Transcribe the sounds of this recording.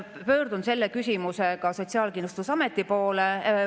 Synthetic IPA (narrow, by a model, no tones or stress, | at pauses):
pø̞ːɾd̪und̪se̞lːekysʲimuse̞kɑso̞tsiɑːlkinust̪usɑme̞t̪ːˑipo̞ːle